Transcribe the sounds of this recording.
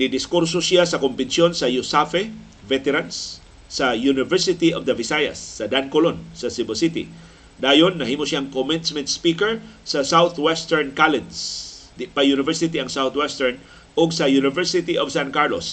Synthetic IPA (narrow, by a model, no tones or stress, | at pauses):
nɪd̪ɪskuɾsosjasɐkʊmbɪnsjo̞nsɐjʊsafɛ | vɛt̪ɛɾansː | ɐjunɪvɛɹsɪt̪iʔovd̪ɐvɪsaja̰sːɐd̪ankolonsɐsɪbosit̪ɪ̰ | d̪aːjonːɐhiːmosjaŋkomɪnsmɛnt̪̚spikɛɹsɐsawt̪wɛst̪ɛɹnkalɛd̪s | pajunɪvɛɹsɪt̪iɐŋsawt̪wɛst̪ɛɹn | ʔoɡsɐjunɪvɛɹsɪt̪iʔov̥sankaɹlo̰s